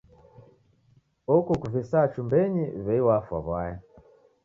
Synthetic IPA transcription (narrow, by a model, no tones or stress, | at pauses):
ɔkɔkuvisat͡ʃumbɛɲiβɛiwafwa̰βwajɛ